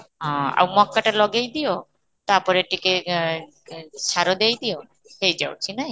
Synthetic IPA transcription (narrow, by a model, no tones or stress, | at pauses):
ɦɔ̃a̰wmɔkːaʈalɔɡejd̪ijo | t̪apɔɾeʈike | saɾɔd̪ejd̪ijo | hejd͡ʒawt͡ʃʰinaɦĩ